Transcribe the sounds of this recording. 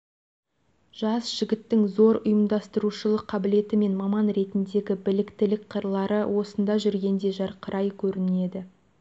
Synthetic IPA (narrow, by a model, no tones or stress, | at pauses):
ʒ̥ɑsʒ̥ɪɡʲɪt̪ːɪŋzo̞ɾʊjəmd̪ɑst̪əɾuʃəlˠəqʰːɑbɪle̞t̪ɪme̞nmɑmɑnɾe̞t̪ɪnd̪e̞ɡʲɪbɪlɪkt̪ɪlɪkqʰːəɾlˠɑɾəwʔo̞sənd̪ɑʒʏɾɡʲe̞nd̪e̞ʒɑɾqʰəɾʔɑjkʲʰɵɾɪne̞d̪ɪ